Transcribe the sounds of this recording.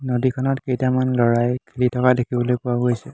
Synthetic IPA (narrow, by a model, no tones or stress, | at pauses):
nodikʰɔnɔtkejtamanlɔɹajkʰelitʰɔkadekʰibɔlojpʊwaɡojsɛ